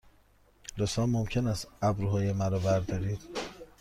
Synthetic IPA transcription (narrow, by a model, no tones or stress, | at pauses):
losɒːmomcʰenæst̪æbɾuɦɒːjemæɾɒːbæɾd̪ɒːɾiːd̪̥